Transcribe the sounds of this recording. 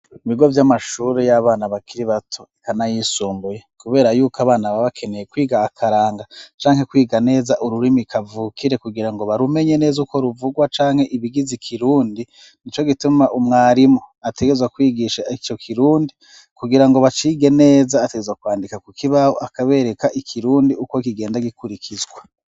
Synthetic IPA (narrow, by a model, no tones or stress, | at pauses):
iβiɡo̞vjamaʃuːɾejaβaːnaβakʰiɾiβatʰo̞ikanajisuːmbujekuβe̞ːɾajuːkaβaːnaβaβakʰe̞ne̞jekwiːɡaːkʰaɾaːŋɡat͡ʃaːŋ̥he̞kwiːɡane̞ːzaʔuɾuɾimikavuːkʰiɾe̞kuɡiɾaŋɡo̞βaɾume̞ɲe̞ne̞ːzuko̞ɾuvuɡwat͡ʃaːŋhe̞ʔiβiɡizikʰiɾuːndi | nit͡ʃo̞ɡitumaʔumŋaːɾimoate̞ɡe̞zwakwiːɡiʃait͡ʃo̞kʰiɾuːndi | kuɡiɾaŋɡo̞βat͡ʃiːɡene̞ːzaːteɡezwakwaːndikakukʰiβahoʔakaβe̞ːɾe̞kaʔikʰiɾuːndiuko̞kiɡe̞ːndaɡikuɾikʰizɡwa